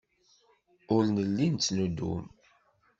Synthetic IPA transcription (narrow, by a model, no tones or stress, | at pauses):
ʊlnəlːint͡sːnud̪ṵm